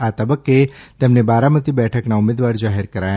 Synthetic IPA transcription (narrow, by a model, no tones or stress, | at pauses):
at̪əbəkːet̪emnebaɾamət̪ibɛʈʰəknaumed̪ʋaɾd͡ʒaɦeɾkəɾaja